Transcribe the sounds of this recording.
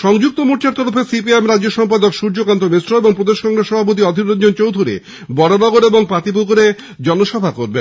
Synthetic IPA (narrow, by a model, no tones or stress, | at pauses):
ʃɔŋd͡ʑuk̚t̪omuɾʈaɾt̪ɔɾofesip̬iemɾadːoʃɔmpad̪okʃuɾd͡ʑokant̪omesʈɾoeboŋpɾod̪eʃkɔŋɡɾesːɔbʱapot̪̬iɔd̪ʱinond͡ʑont͡ɕowd̪ʱuɾḭ | bɔɾonɔɡoɾeboŋpɾat̪ip̬uɡoɾe | d͡ʑɔnoʃɔbʱakoɾben